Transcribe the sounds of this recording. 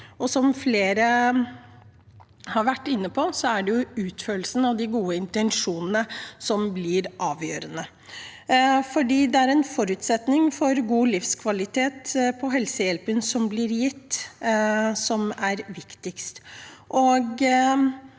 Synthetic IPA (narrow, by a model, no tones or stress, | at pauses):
ɔsɔmfleːɾə | hɑɾʋæʈːɪnːəpʰɔsɔæɖɛjʊʉːt̪føːɭsən̩ɑʋd̪ɪɡuːəɪnt̪ɛnʂuːnənəsɔmblɪɾʔɑːʋjøːɾənə | fɔɖiːd̪ɛæɾɛnfɔɾʉːt̪sɛt̪nɪŋfɔɾɡuːlɪfskʰʋɑlɪt̪ʰeːt̪pʰɔɦɛlsəjɛlpənsɔmblɪɾjɪt̪ː | sɔmæɾʋɪkt̪ɪkst̪ʔɔɡ